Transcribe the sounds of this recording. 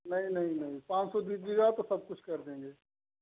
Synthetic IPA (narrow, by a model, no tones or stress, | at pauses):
nɐɦĩnɐɦĩnɐɦĩpãːt͡ʃsɔːd̪iːsd͡ʒiɡaːt̪osəb̚kʊt͡ʃʰkəɾd̪ẽːŋɡeː